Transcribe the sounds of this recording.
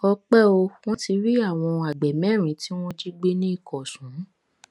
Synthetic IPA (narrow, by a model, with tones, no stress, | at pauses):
ɔ˧k͡pɛ˦o˧w̃ɔ̃˦ti˧ɾi˦a˦˨w̃ɔ̃˧a˨ɡ͡bɛ˨mɛ̃˦˨ɾ̃ĩ˨˦ti˦w̃ɔ̃˦d͡ʒi˦ɡ͡be˦nĩ˦i˦˨kɔ˨sũ˨˦